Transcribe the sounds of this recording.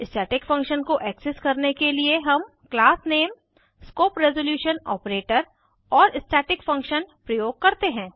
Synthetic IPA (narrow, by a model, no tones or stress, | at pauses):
ɪsʈɛːʈɪkfɐ̃ŋkʃənkoʔɛːksɪskɐɾnekelieɦɐm | klaːsneːm | skoːpɾɛzoljuːʃənɔ̰ːpɾeːʈəɾ | ɔːɾɪsʈeːʈɪkfɐ̃ŋkʃənpɾɐjoːɡ̚kɐɾt̪eɦɛ̃ː